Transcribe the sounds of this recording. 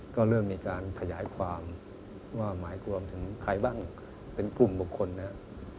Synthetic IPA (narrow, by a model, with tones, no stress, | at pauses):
kɔː˥˩ɾɤː˥˩mːiː˧kaː˧nkʰa˧jaː˩˦jkʰwaː˧m | waː˥˩maː˩˦jku˧əmt̪ʰɯ˩˦ŋkʰɾa˧jbaː˥˩ŋ | pe˧nklu˨˩mbu˨˩kʰːo˧nːa˦˥